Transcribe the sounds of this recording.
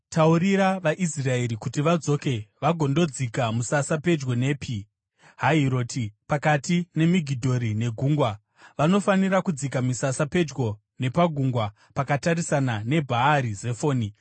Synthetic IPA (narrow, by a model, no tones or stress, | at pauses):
tauɾiɾaʋaʔisrae̞ɾikutiʋad͡zo̞ke̞ʋaɡʱo̞ndo̞d͡zikamusasape̞d͡ʒɡo̞ne̞ːpi | ɦaiɾo̞ːtʰipakatine̞miɡʱidʱo̞ɾine̞ɡʱuːŋɡwa | ʋano̞faniɾakud͡zik̬amisasape̞d͡ʒɡo̞ | ne̞paɡʱuŋɡwa | pakatarisanane̞bʱaaɾize̞fo̞ːni